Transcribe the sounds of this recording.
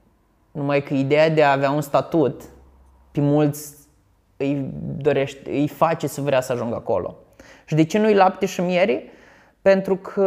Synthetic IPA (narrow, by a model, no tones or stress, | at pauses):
numajkəid̪e̞jad̪eaːveaunst̪at̪ut̪ | pemult̪sʲ | ɨjd̪o̞ɾe̞ʃt̪ɨ̰jfat͡ʃe̞səvɾeasəaʒuŋɡako̞̰lo̰ | ʃid̪et͡ʃe̞nujlap̚t̪eʃimjeɾi | pe̞nt̪ɾukʰə